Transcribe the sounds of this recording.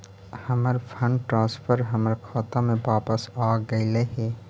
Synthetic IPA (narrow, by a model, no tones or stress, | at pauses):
həməɾpʰəɳʈɾãːspʰəɾɦəməɾkʰaːt̪ãmẽbaːpəsaːɡəileɦeː